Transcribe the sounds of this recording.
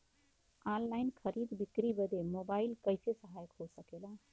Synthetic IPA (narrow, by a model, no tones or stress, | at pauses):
anlaɪnkʰəɾid̪bikɾibəd̪emobaɪlkəɪsesəɦajəkɦosəkela